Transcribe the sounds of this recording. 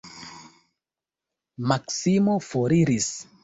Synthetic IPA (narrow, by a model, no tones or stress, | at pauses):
maksimofoɾiɾis